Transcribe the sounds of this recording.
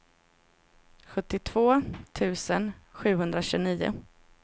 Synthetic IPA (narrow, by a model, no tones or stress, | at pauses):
ɧɵt̪ːɪt̪ʰv̥oːt̪ʰʉ̟ːsənɧʉ̟ːɦɵnd̪ɾaɕʉːniːʊ̰